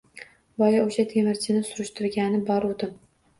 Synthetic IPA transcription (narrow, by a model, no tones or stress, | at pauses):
bɒjaoʃat̪ʰe̞mɪɾt͡ʃʰɪnɪsʊɾʊʃt̪ʊɾɡʲanɪbɒɾod̪ɪm